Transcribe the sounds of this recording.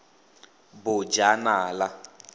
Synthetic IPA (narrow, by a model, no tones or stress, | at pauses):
bʊd͡ʒanaːla